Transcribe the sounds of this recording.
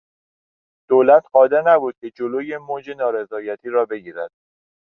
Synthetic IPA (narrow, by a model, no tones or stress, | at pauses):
d̪̥oːlæt̪ʰɢɒːd̪eɾnæbuːd̪̥̚cʲʰe̞d͡ʒoloːjemoːd͡ʒe̞nɒːɾe̞zɒːjæt̪ʰiːɾɒːbe̞ɟiːɾæd̪̥